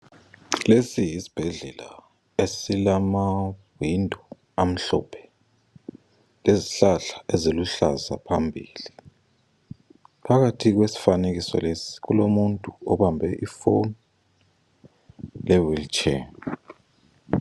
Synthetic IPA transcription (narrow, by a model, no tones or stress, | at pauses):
lesiɦisi̥b̥ʱɛɮɛla̰ | esilamawindʱɔ | am̩ɬɔ̰pʰɛ̥ | leziɬaɬḁʔeziluɬa̰za̰pʰambʱḭːli | pʰaɣatʰik̬wesi̥fanek̬isɔ̰lesi̥kulomuntʼuɔɓambʱɛʔifon | lɛwilt͡ʃʰɛ̰n